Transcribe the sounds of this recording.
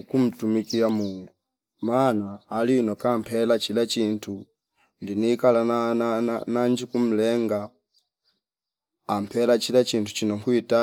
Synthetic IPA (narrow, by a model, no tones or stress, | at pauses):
kum̩tumikiamuːŋɡu | manaːliunɔkampʰɛlat͡ʃilat͡ʃiːntʰu | ndinikalana | naɲd͡ʒikum̩lɛŋɡa | mpʰɛlat͡ʃilat͡ʃiːntut͡ʃinɔŋkwita